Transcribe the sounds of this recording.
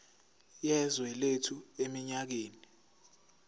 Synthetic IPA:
jɛzwɛletʰuemiɲak̬eːni

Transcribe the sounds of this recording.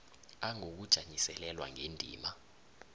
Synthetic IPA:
aŋok̬ud̥ʒ̥ʱaɲisɛlɛlwa̰ŋendʱḭːma

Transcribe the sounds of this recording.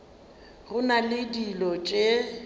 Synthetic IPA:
rʊnalɪdilɔt͡ʃʼe

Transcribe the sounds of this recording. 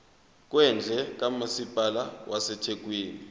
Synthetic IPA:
k̬ʼwɛnd͡ɮʱɛk̬ʼamasipʼalawʔasɛtʰek̬ʼwiːni

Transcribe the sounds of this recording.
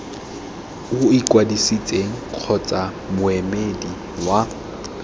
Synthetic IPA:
ʊikʼwadisit͡sʼeŋ̩q͡χʰɔt͡sʼa | mʊɛmedi | wa

